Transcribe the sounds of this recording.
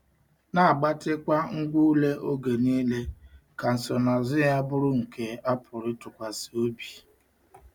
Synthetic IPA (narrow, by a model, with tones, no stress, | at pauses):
na˨a˨ɡ͡ba˦tɪ˦kʷa˦ŋ̩˦ɡʷu˦u˦le˦ʔo˦ɡe˨niː˦le˦ka˨n̩˨sɔ˨na˨zʊ˦ja˦bʊ˦ɾʊ˦ŋ̩˨kʰe˦a˦pʰʊ˨ɾɪ˦tʊ˨kʷa˨si˨o˦bi˨